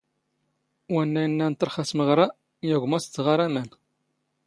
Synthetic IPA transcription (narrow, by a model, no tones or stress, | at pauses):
wænːæjənːænt̪ːəɾχæsməʁɾˤa | jæʝʷmæst͡sːʁaɾæmæn